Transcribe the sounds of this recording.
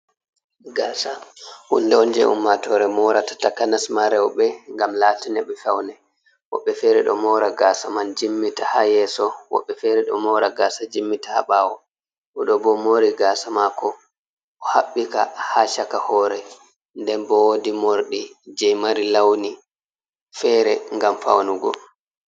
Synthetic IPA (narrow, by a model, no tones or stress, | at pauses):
ɡaːsahṵnːdɛɔnd͡ʒɛ̰ʔṵmːatɔɾɛmɔɾatḁtakanasmaɾɛwɔɓɛŋɡamlatɛnɛɓɛfawnɛ | wɔ̰ɓːɛfɛɾɛɗɔ̰mɔɾaɡasamand͡ʒimːitahajɛsɔwɔ̰ɓːɛfɛɾɛɗɔ̰mɔɾaɡaːsad͡ʒimːitḁha̰ɓaːwɔ | ʔɔɗɔbɔmoɾiɡaːsamakɔ | ʔɔhaɓːika̰haʃakahɔɾɛ | ndɛnbɔwodimoɾɗid͡ʒɛjmaɾilawni | fɛɾɛŋɡamfa̰wnuɡɔ̰